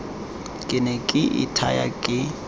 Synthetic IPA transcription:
kʼɪnɛkʼɪʔɪ̰tʰaja̰kʼɪ

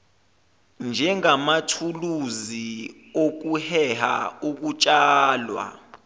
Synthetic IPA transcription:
nd͡ʒʱɛŋamatʰuluzi | ok̬uhɛha̰uk̬ut͡ʃʼaːlwa̰

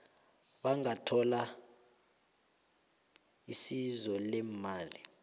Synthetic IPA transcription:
ɓaŋatʰɔla | isizɔlɛmaːli

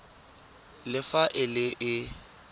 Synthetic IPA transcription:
lɪfaʔɪlɪʔɪ

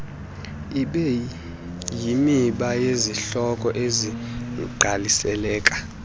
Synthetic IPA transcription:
iɓɛ | jimiɓajeziɬɔkʼɔʔeziǃʱalisɛlɛːkʼḁ

